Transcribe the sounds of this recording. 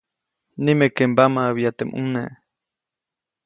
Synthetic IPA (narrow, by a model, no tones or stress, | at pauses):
nimekembamaβiat̪eʔmʔṵneʔ